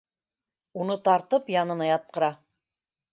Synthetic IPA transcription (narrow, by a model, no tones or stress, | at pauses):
unɤt̪ɑɾt̪ɤpjɑnɤ̆nɑjɑt̪̚qɤ̆ɾɑ